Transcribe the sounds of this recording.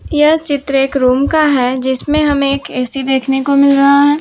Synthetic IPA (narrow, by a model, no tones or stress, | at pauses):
jɐɦt͡ʃɪt̪ɾeːkɾuːmkaɦɛd͡ʒɪsmẽɦɐmeːkɛːsid̪eːkʰnekomɪlɾɐɦaɦɛː